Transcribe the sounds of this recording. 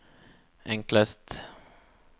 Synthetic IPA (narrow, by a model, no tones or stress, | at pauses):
ʔɛŋkləst̪